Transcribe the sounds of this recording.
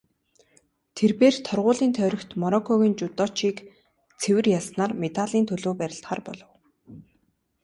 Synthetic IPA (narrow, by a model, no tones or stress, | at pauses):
t̪ʰerpeːrt̪ʰɔrʁʊːɮiːnt̪ʰœːɾʲɞ̆kt̪mɔɾɔkʰːɔɣiːnt͡ɕʊt̪ɔt͡ɕiːk | t͡sʰewɘ̆rjasnaːrmet̪aɮiːnt̪ʰɵɮoːpæɾʲɪ̆ɬt̪χaːrpɔ̰ɮɞ̆w